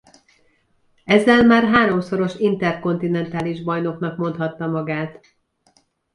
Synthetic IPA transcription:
ɛzːɛlmaːrɦaːɾo̞mso̞ɾo̞ʃint̪ɛrko̞nt̪inɛnt̪aːliʒbɒjno̞knɒkmo̞nt̪hɒt̪ːɒmɒɡaːt̪

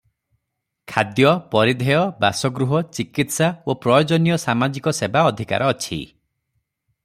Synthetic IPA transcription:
kʰad̪jɔpɔɾid̪ʱejɔbasɔɡɾuɦɔt͡ʃikit̪saopɾɔjɔd͡ʒɔnijɔsamad͡ʒikɔsebaɔd̪ʱika̰ɾʔɔːt͡ʃʰḭ

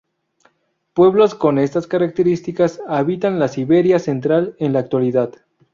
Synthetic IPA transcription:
pwe̞βlo̞sko̞ne̞st̪askaɾak̚t̪e̞ɾist̪ikasaβit̪anlasiβe̞ɾjase̞nt̪ɾale̞nlaːk̚t̪waliðað̥

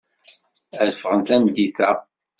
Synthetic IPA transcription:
əðfəʁənθænd̪iθæ

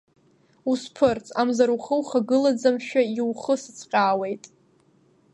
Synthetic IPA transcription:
uspʰɨrt͡sʰʼamzaɾuχəwχaɡɨlad͡zamʃᶣaiwχəsɨt͡sʰqʲʼaːwe̞jtʼ

